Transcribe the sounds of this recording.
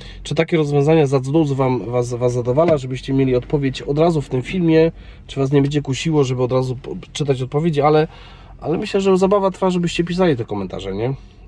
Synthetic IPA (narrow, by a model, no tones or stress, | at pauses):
t͡ʂɘt̪akʲɛɾɔzvʲjɔ̃w̃zaɲɛzat̪ɔd̪ɔwzɔvamvasvasad̪ɔvalaʐɛbɘɕt͡ɕɛmʲjelʲiɔt̪pɔvʲjet͡ɕɔd̪ɾazuft̪ɘmfʲilmʲjɛ | t͡ʂɘvas̬ɲɛbɛɲd͡ʑɛkuɕiwɔʐɛbɘɔd̪ɾazut͡ʂɘt̪at͡ɕɔt̪̚pɔvʲjed͡ʑialɛ | ʔa̰lɛmɘɕlɛʐɛzabavat̪ɾfaʐɛbɘɕt͡ɕɛp̬ʲis̬alʲit̪ɛkɔmɛnt̪a̰ʐɛɲɛ